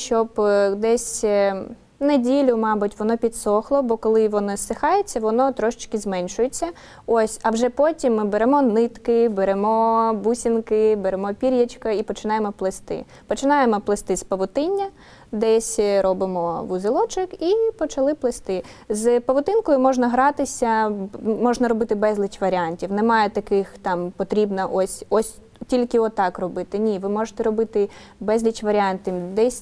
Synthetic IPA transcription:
ʃt͡ʃɔbd̪ɛsʲ | nɐdʲilʲʊmɑbʊtʲʋɔnɔpʲid̪sɔxlˠɔbɔkɔlˠɪʋɔnɔsɪxɑjet͡sʲːɐʋɔnɔt̪ɾɔʃɪ̥t͡ʃkɪzmɛnʲʃʊjet͡sʲːɐ | ɔsʲɐwʒɛpɔtʲimːɪbeɾɛmɔnɪt̪kɪbeɾɛmɔbusʲinkɪbeɾemɔpʲiɾʲjɐt͡ʃkɐipɔt͡ʃɪnɑjemɔplˠest̪ɪ̰ | pɔt͡ʃɪnɑjemɔplˠest̪ɪspɐʋʊt̪ɪnʲːɐ | d̪ɛsʲɾɔbɪmɔʋʊzɪlˠɔt͡ʃɪkipɔt͡ʃɐlˠɪplˠɪst̪ɪ | zpɐʋʊt̪ɪnkɔjʊmɔʒnɐɦɾɑt̪ɪsʲɐmɔʒnɐɾɔbɪt̪ɪbɛzʲlʲˠɪt͡ʃʋɐɾʲɪɑnʲtʲiwnɛmɑjɛt̪ɐkɪxt̪ɑmpɔt̪ɾʲibnɐʔɔsʲɔsʲ | tʲilʲkɪɔt̪ːɑkrɔbɪt̪ɪnʲiʋɪmɔʒɪ̥t̪ɛɾɔbɪt̪ɪ | bɛzʲlʲit͡ʃʋɐɾʲiɑnʲt̪ʲimd̪ɛsʲ

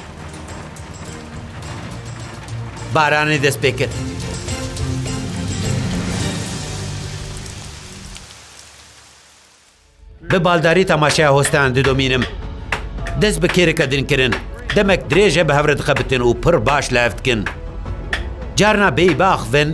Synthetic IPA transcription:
baːɾaːneːd̪ɛst̪̚peːkɨɾ | bɨbaːld̪aːɾiːt̪ɛmaːʃɛjaːhoːst̪ɛjaːnd̪ɨd̪omiːnɨm | d̪ɛst̪̚bɨkʰeːɾɛkɑd̪ɨnkɨɾɨnd̪ɛmɛk̚d̪ɨɾeːʒɛbɨɦɛvɾɛd̪ɨxɛbɨt̪ɨnuːpʰɨɾbaːʃlɛhɛft̪kɨn | d͡ʒaːɾnaːbejbaːxvɨn

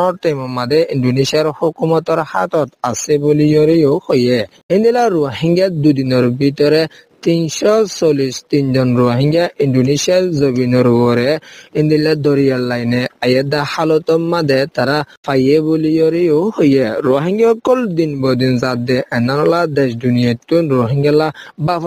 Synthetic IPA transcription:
ɔɾtajmɔmad̪ɛindunisiaɾhukumɔt̪ɔɾha̰t̪ɔt̪asɛbulijɔɾiohojɛ | ɛnd̪ilaɾuaɦiŋɡad̪ud̪inɔɾbit̪ɔɾɛ | t̪insɔsolist̪inzɔnɾuaɦiŋɡjaʔinɖunisiaɾzobinɔɾubɔɾɛɛnd̪ilad̪ɔɾijalːajnɛajɛd̪ahalɔt̪ɔmːad̪ɛt̪aɾafajebulijɔɾiohojɛɾuaɦiŋɡaɔkːɔld̪inbɔd̪inzad̪ɛʔɛnanɔlad̪ɛʃdunijat̪ːunɾoɦiŋɡalabaf

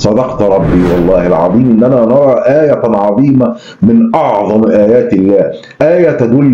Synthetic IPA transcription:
sˤɑd̪ɑqt̪ɾˤɑbːiːwɑlˤːɑːhalʕɑ̰ðˤiːmʔɪnːænaːnɑɾˤɑːʔaːjaʕɑðˤiːma | mɪnʔɑʕðˤɑmʔaːjaːt̪ɪlːaːh | ʔaːjat̪ad̪ʊlː

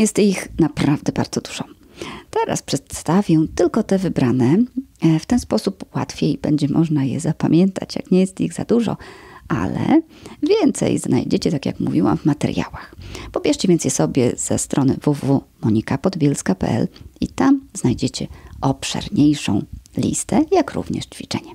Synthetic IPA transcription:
jɛst̪ixnapɾavd̪ɛbaɾd̪zɔd̪u̥ʐ̥ɔ̃ | t̪ɛɾa̰spʂɛt̪st̪avʲjɛ̃t̪ɘlkɔt̪ɛvɘbɾanɛft̪ɛnspɔsupwa̰t̪fʲjejbɛɲd͡ʑɛmʔɔʐnajɛ̰zapamʲjɛnt̪ʰat͡ɕja̰kɲɛjɛst̪iɣza̰d̪uʐɔ̰ʔa̰lɛ̰ | vʲjɛnt̪sɛ̰jzna̰jd͡ʑet͡ɕɛt̪akʲjakmuvʲiwamvmat̪ɛ̰ɾja̰waxpɔbʲjɛʂt͡ɕɛvʲjɛnt̪sjɛsɔbʲjɛ̰z̥ɛ̰st̪ɾʔɔnɘvuvumɔɲikapɔd̪bʲjɛlskapɛ̰ʔɛ̰lit̪amznajd͡ʑet͡ɕɛɔpʂɛ̰ɾɲejʂɔ̰̃w̃lʲḭst̪ɛjakɾṵvɲɛ̰ʂt͡ɕfʲit͡ʂɛ̰ɲɛ

